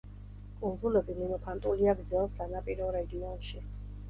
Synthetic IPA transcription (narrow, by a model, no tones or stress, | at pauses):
kʼund̪zulɛbiminɔpʰant̪ʼuliaɡɾd̪zɛlˠsanapʼiɾɔɾɛd̪iɔnʃi